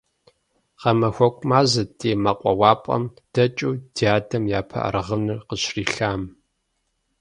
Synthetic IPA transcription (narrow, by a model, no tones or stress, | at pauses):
qɐmɐxʷɔkʷʼmaːzɐtʰʼeːmɐqʷʼɔwɑːpʼɐ̰m | d̥ɐt͡ʃʼuːd̥iaːdɐmjaːpʰɐ̰ʔɐ̰ɾɐʁənɨrqəɕriːɬaːm